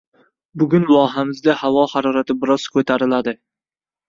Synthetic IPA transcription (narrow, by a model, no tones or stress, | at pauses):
bʊɡʲʊnlˠɒɦamɪzd̪ahawɒhaɾɒɾat̪ʰɪbɪɾɒz̥kʰɵt̪ʰaɾɪlad̪ɪ